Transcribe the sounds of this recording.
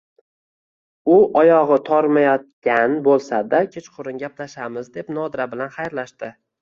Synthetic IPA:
ʊʔɒjɒʁɨt̪ʰɒɾmajɒt̪̚kʲanbolˠsad̪akʲʰet͡ʃqʰʊɾɪnɡʲaplaʃamɪzd̪e̞pn̪ɒd̪ɾabɪlanχajɾlaʃt̪ɪ

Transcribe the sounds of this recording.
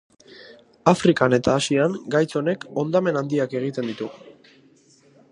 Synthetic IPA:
afɾikane̞t̪aːsiaŋɡajt͡so̞ne̞ko̞nd̪ame̞nand̪iake̞ɣ̞it̪e̞nd̪it̪u

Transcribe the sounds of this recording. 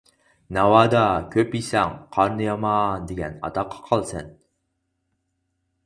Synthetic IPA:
nɑwɑd̪ɑkʲʰøpisɛŋqʰɑɾnɨjɑmɑnd̪eɡʲɛ̰nɑ̰t̪ɑqʰːɑ̥qʰɑlˠsɛ̰n

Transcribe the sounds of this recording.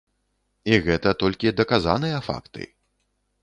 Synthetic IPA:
iɣɛt̪ɐt̪ɔlʲkʲid̪ɐkaza̰nɨjɐfa̰kt̪ɨ̰

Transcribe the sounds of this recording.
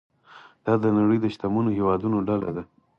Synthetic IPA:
d̪̥ɑd̪ənaɽəjd̪əʃt̪amunoɦewɑd̪unoɖala̰d̪a

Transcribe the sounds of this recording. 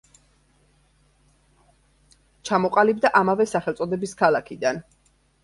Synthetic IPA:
t͡ʃʰamɔqʼalib̚d̪aʔamavɛsaχɛlˠt̪sʼɔd̪ɛbiskʰalˠakʰid̪an

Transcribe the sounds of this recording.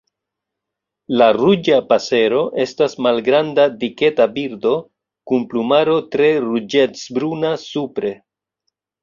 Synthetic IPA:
larud͡ʒapase̞ɾo̞ʔe̞stasmalɡɾandadike̞tabiɾdo̞ | kunplumaɾo̞tɾe̞ɾud͡ʒet͡sbɾunasupɾe̞

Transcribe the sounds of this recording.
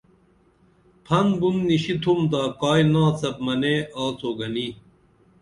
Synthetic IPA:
pʰɐnbunːiɕit̪ʰumd̪aːkaːinãːt͡sɐp̚mɐneaːt͡sʰoːɡɐni

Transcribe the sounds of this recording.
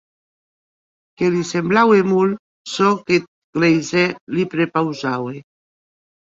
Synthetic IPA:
kelisemblawemul | sɔket̪̚klejzɛlipɾepawzawe

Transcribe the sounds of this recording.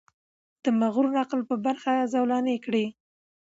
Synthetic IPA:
d̪̥əmaɣuɾnɑqlpəbaɾxazawlɑnekɽi

